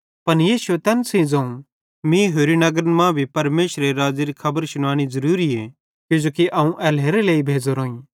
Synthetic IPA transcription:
pɐnjiːʃuet̪ɛːnsĩd͡zɐ̃ːũ | mĩɦoːɾinɐɡəɾəmãbʱipɐɾmeːʃɾeɾaːd͡zeɾikʰɐbəɾsʊɽ̃aːɽ̃izɐɾuːɾieː | kjʊd͡ʒoːkiʔɐũʔɛːleːɾeleːibʱeːd͡ʒoɾoːĩ

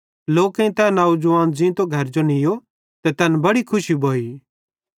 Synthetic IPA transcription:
loːkẽĩt̪ɛnaːud͡ʒʊʋãːnd͡ʒĩt̪oɡʱɐɾd͡ʒonɪjo | t̪ɛt̪ɛnbɐɽikʰʊʃibʱoːiː

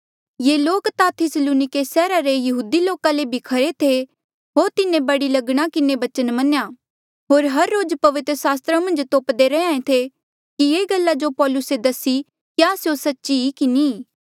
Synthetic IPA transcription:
jeːloːkt̪at̪ʰɪsluːnɪkesɛːɾaɾejɐɦuːd̪iloːkãlebʱikʰɐɾet̪ʰe | ɦoːɾt̪ɪnẽbɐɽilɐɡɽ̃akɪnebɐt͡ʃənmɐneja | ɦoːɾɦɐɾːoːd͡ʒpɐʋɪt̪ɾəsaːst̪ɾamɐ̃nd͡ʒt̪oːpd̪eɾɛãːẽt̪ʰe | kijeːɡɐlːad͡ʒopɔːlʊsed̪ɐsi | kjaːsjosɐtːʃiikini

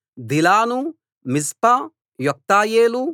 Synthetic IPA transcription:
d̪ilaːnu | mispɐ | jɔk̚t̪aːjeːlu

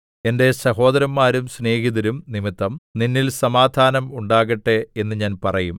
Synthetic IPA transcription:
e̞nde̞sɐɦo̞ːd̪ɐɾɐmːaːɾumsne̞ːɦiðɐɾumnimit̪ːɐmninːilsɐmaːd̪ʱaːnɐmuɳɖaːɣɐʈːeenːɨɲaːnpɐrɐjum

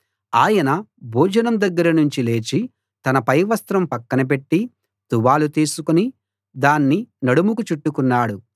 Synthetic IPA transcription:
aːjɐnɐbʱuːd͡ʒɐnɐmd̪ɐɡːɐɾɐnuɲt͡ʃile̞ːt͡ʃi | t̪ɐnɐpɐjʋɐst̪ɾɐmpɐkːɐnɐp̬e̞ʈːi | t̪uʋaːlut̪iːsukuni | d̪aːnːinɐɽumukut͡ʃuʈːukunːaːɽu

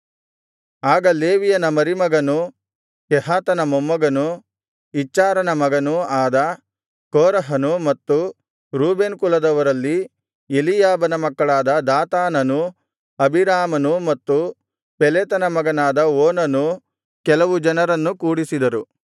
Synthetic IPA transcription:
aːɡɐleːʋijɐnɐmɐɾimɐɡɐnu | kɛɦaːt̪ɐnɐmomːɐɡɐnu | it͡ʃːaːɾɐnɐmɐɡɐnuaːd̪ɐ | koːɾɐɦɐnumɐt̪ːu | ɾuːbeːnkulɐd̪ɐʋɐɾɐlːi | elijaːbɐnɐmɐkːɐɭaːd̪ɐd̪aːt̪aːnɐnu | ɐbiɾaːmɐnumɐt̪ːu | pɛleːt̪ɐnɐmɐɡɐnaːd̪ɐoːnɐnu | kɛlɐʋud͡ʒɐnɐɾɐnːukuːɽisid̪ɐɾu

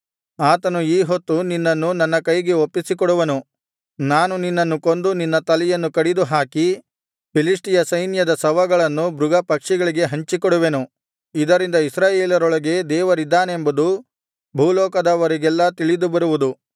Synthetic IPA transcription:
aːt̪ɐnuiːɦot̪ːuninːɐnːunɐnːɐkɐjɡeopːisikɔɽuʋɐnu | naːnuninːɐnːuko̞nd̪uninːɐt̪ɐlɛjɐnːukɐɽid̪uɦaːki | pʰilisʈijɐsɐjnjɐd̪ɐsɐʋɐɡɐɭɐnːubɾʊɡɐpɐkʂiɡɐɭiɡe̞ɦɐɲt͡ʃikɔɽuʋe̞nu | id̪ɐɾind̪ɐisɾaːjeːlɐɾɔɭɐɡe̞d̪ɛːʋɐɾid̪ːaːnːmbɐd̪u | bʱuːlɔːkɐd̪ɐʋɐɾiɡɛlːɐt̪iɭid̪ubɐɾuʋud̪u

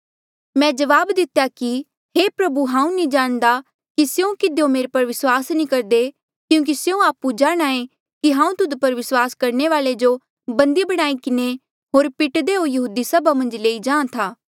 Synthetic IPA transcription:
mɛ̃ːd͡ʒɐʋaːbd̪ɪt̪jaki | ɦeːpɾɐbuɦãːũnĩd͡ʒaːɽ̃d̪a | kisjũkɪd̪eõmeːɾepɐɾʋɪswaːsnĩkɐɾd̪e | kjũːk̬isjũaːpud͡ʒaːɽ̃aːẽ | kiɦãːũt̪ʊd̪pɐɾʋɪswaːskɐɾneʋaːled͡ʒo | bɐ̃nd̪ibɐɽ̃aːikɪne | ɦoːɾpɪʈd̪eɦojɐɦuːd̪isɐbamɐ̃nd͡ʒleːid͡ʒãːãt̪ʰaː

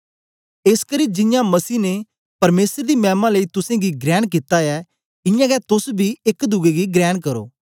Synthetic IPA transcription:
eskəɾiːd͡ʒɪ̃jãmɐsiːne | pɐɾmeːsəɾd̪imɛːmãləiːt̪ʊsẽɡiɡɾɛːɽ̃k̬ɪt̪aɛ | ɪjãɡɛt̪ʊsbʱiɪkd̪ʊɡeɡiɡɾɛːɽkɐɾo̰ː

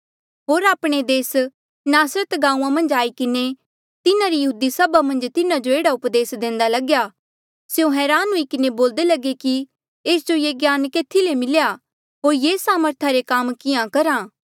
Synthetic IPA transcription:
ɦoːɾaːpɽ̃ed̪eːs | naːsɾət̪ɡãːũːãmɐ̃nd͡ʒaːikɪne | t̪ɪnãɾijɐɦuːd̪isɐbamɐ̃nd͡ʒt̪ɪnãd͡ʒoeːɽaʊpd̪eːsd̪ẽːnd̪alɐɡja | seõɦɛːɾaːnuikɪneboːld̪elɐɡeki | eːsd͡ʒojeːɡjaːnkeːt̪ʰilemɪlja | ɦoːɾjeːsaːməɾt̪ʰaɾekamkɪjãkɐɾaː

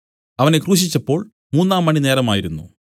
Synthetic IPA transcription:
ɐʋɐne̞kruːɕ̬it͡ɕːɐpːo̞ːɭ | muːnːaːmːɐɳineːɾɐmaːjiɾunːu

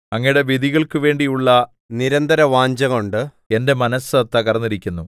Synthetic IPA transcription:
ɐŋːɐjuɽe̞ʋid̪iɣɐɭkɨʋe̞ːɳɖijuɭːɐ | niɾɐnd̪ʱɐɾɐʋaːɲd͡ʑɐŋoɳɖɨ | e̞nde̞mɐnɐsɐt̪ːɐkɐrɐnːiɾikʲːunːu

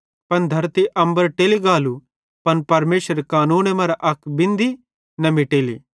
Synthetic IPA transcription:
pɐnd̪ʱɐɾt̪iʔɐ̃mbəɾʈeːliɡaːlu | pɐnpɐɾmeːʃəɾekaːnuːnemɐɾaʔɐkʰbɪ̃nd̪i | nɐmiʈeːlḭ

